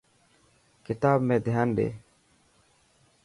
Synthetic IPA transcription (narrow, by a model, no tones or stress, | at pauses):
kɪt̪aːbmẽːd̪ʱɪjaːnɖḛː